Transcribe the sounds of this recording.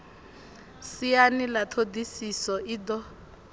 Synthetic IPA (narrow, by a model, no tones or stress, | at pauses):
sianilat̪ʰodisisɔʔiːdɔ